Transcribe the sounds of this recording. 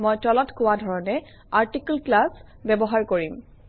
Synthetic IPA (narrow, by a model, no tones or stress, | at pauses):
mɔjtɔlɔtkʊwadʱɔɹɔnɛ | aɹtiklklas | bɛbɔɦaɹkoɹim